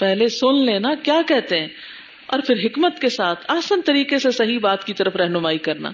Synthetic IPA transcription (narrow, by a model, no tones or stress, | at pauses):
pɛɦlesʊnleːnakjaːkɛɦt̪eɦɛ̃ː | ɔ̰ːɾpʰɪɾɦɪkmət̪kesaːt̪ʰaːsənt̪ɐɾiːqesesɐɦibaːt̪kit̪ɐɾəfɾɛɦnʊmaːikɐɾna̰ː